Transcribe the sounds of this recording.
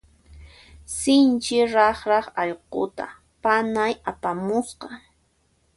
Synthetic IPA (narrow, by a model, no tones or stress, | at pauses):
sɪnt͡ʃɪɾɑχɾɑχɑʎqo̰t̪a̰ | panajapamʊsqɑ